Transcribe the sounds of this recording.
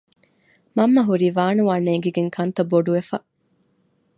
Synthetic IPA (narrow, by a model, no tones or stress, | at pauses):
mɐmːɐɦuɾiːʋaːnuʋanːeːɡeɡeŋkʰɐnt̪ɐboɖuʋefɐ